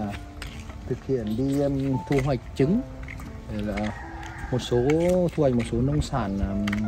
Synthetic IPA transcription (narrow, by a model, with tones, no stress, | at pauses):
t̪ʰɨ˨˩k̚hḭ˧˨ənɗi˧t̪ʰu˧˨ɦwa˨˩jk̟̚t͡ɕɨ˨˦ŋ | ɗe˧˩laː˨˩ | mo˨˩t̚so˨˦t̪ʰu˧ha˨˩j̚mo˨˩t̚so˨˦nə˧wŋ͡msaː˧˩n˨˩